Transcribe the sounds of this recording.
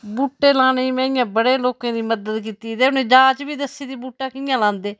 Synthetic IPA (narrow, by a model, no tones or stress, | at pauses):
buːʈːeːlaːnemɛ̃ːɪjãːbəɽeːloːkãːd̪iːməd̪əd̪k̬iːt̪iːd̪eːʊnẽːd͡ʒaːd͡ʒbiːd̪əsiːd̪iːbuːʈːaːkɪjãːlãːnd̪eː